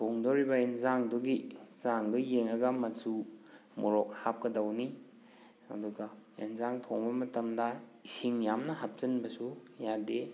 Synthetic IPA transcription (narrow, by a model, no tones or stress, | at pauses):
tʰoŋdoɾibɐinzaŋdɔɡizaŋɡɐjeŋɾɐɡɐmɐsu | moɾok̚hap̚kɐdawni | ɐ̰duɡɐḛnzaŋtʰoŋbɐmɐtɐmdɐisiŋjamnɐɦap̚sɐnbɐsujade